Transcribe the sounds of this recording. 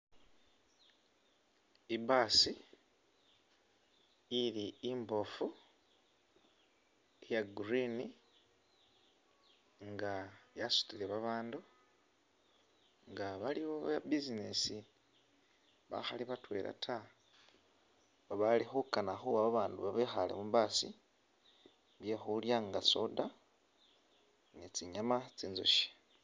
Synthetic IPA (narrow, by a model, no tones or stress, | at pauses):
ibasi | iliːmbofu | ejaɡuɾini | ŋɡajasu̥tileβaβaːndu | ŋɡaβaliβoβabizinesi | βa̰xaliβatwe̞̰ːlʔa̰tʰa | βaβalixukanaxuaβaβaːnduβaβexale̞̰mumbasḭ | βje̞xuljaŋɡasoda | nit͡siɲamat͡siːnzo̰ʃi̥